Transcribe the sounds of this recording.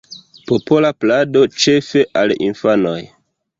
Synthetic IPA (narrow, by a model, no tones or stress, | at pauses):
popo̞laplado̞t͡ʃe̞fe̞ʔalḭnfano̞̰j